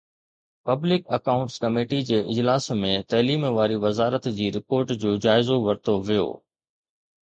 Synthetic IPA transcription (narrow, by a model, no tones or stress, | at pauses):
pɐblɪkɐkaʊ̃ɳʈskɐmeːʈid͡ʑeːʔɪd͡ʑlaːsmẽt̪ɐɦliːmʋaːɾiʋɐzaːɾət̪d͡ʑiːɾɪpoːɾʈd͡ʑoːd͡ʑaːɪzoʋɐɾt̪oʋijo̰ː